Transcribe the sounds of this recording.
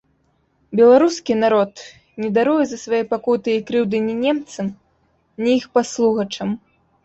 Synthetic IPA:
bʲɛlˠaɾuskʲinaɾɔt̪ | nʲɛd̪aɾujɛzɐsvajɔjpakut̪ɨikɾɨwd̪ɨnʲinʲɛmt̪sɐm | nʲiixpaslˠuɣɐt͡ʂɐm

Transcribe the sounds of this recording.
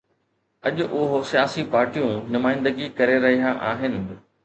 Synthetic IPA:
ɐʄʊʔʊɦosijaːsipaːɾʈijũnʊmaːɪ̃nd̪əɡikɐɾeɾɐɦiaʔaːɦɪnɪ̆

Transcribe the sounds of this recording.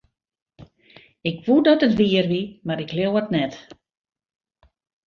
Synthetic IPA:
ɪkʋudɔtətʋiərʋimaɾɪkljewɔtnɛt

